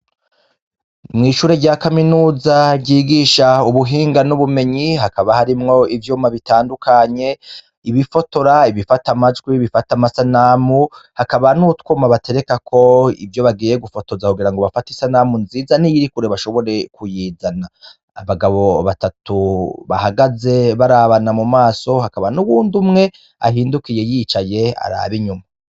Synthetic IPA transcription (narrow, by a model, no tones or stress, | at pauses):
mŋiːʃuːɾeɟaːkaminuːzaɟiːɡiːʃauβuɦiːŋɡanuβume̞ɲiɦakaβahaɾimŋo̞ivjuːmaβitaːndukʰaɲe̞ | iβifo̞to̞ɾaiβifatamad͡ʒɡwiβifatamasanamuhakaβanutwuːmaβatʰe̞ɾe̞kakʰo̞ḭvjo̞βaɡiːjeɡufo̞to̞zakuɡiɾaŋɡoβafatisanamunziːzanijiɾikuɾe̞βaʃo̞βo̞ɾe̞kujiːzanaː | βaɡaβo̞βatatʰuβa̰haɡaze̞βaɾaβanamumaːso̞hakaβanuwuːndumŋe̞ | a̰ɦiːndukijejiːt͡ʃaje̞a̰ɾa̰βiɲuma